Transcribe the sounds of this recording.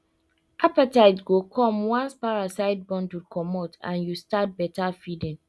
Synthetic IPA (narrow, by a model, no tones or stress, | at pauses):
ʔapataɪtɡokʰɔ̃mwɔ̃nspaɹasaɪd̚bɔ̃ntudkʰɔmotã̰njustat̚bɛtafidĩŋ